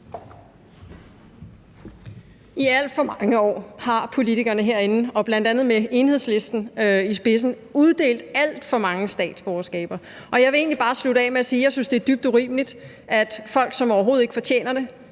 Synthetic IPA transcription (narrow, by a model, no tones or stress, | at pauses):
iæl̰d̥fɒ̽mɑŋəɒ̰ːhɑ̈pʰo̝lit͡sʰiɡ̥ɐnəɦe̝ɐ̰e̝nn̩ɒ̽b̥læn̰d̥ænð̩ˠmee̝ːnhe̝ðˠsle̝sd̥n̩isb̥e̝s̬n̩ | uð̞ˠd̥e̝̰ːld̥æl̰d̥fɒ̽mɑ̈ŋəsd̥ɛ̰ːd̥sb̥ɒːɐsɡ̥ɛ̰ːb̥ɐ | ɒ̽jɑɪʋe̝e̝ːnlib̥ɑ̈ːslud̥əɛ̰ːmeæsiːjɑ̈ɪsynsd̥e̝æɐd̥yb̥d̥uʁḭːmlid̥ | ʔæd̥fɒ̽l̰ɡ̥sɒ̽mɒʊɐɦo̝ːð̩ˠe̝ɡ̥əfɒ̽t͡ɕʰḛːnɐɾ̥e̝